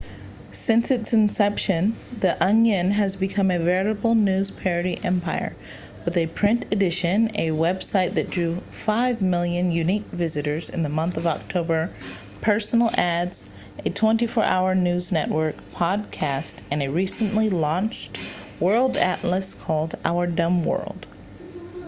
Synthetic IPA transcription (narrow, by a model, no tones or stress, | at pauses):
sɪ̃nsɨtsɨ̃n̩sɛpʃɨ̃nðiʔʌ̃ŋjɨ̃nɨzbɨkʰʌ̃mɨvɛɹɨɾəbl̩ˠnʉz̥pʰɛɹɨɾiʔɛ̃mpʰaɪə̰˞ | wɨðɨpʰɹ̥ɪ̃ntɨdɪʃɨ̃nɨwɛb̥saɪt̪̚ðɨt̚d̥ɹʉ | faɪvmɪlˠjɨ̃njʉnik̚vɪzɨɾə˞zɨ̰̃nðəmʌ̃nθʌvɑk̚tʰoʊbə˞ | pʰɜ˞sn̩l̩ˠædz̥ | ʔɨtʰw̥ɛ̃ntifɔɹʔa̰ʊə˞nʉznɛ̰ʔwɜ˞k̚pʰɑd̚kʰæstɨ̃nɨɹisɨ̃nlilɑ̃nt͡ʃt | wɜ˞lˠdæ̰ʔləskʰɔlˠdʔa̰ʊə˞dʌ̃mwɜ̰˞lˠd̥